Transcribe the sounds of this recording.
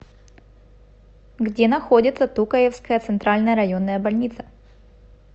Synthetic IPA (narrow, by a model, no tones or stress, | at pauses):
ɡdʲenɐxo̞dʲɪt̪sət̪ukəjefskəjət̪sɨnt̪ɾalʲnəjəɾɐjo̞nːəjəbɐlʲnʲit̪sə̥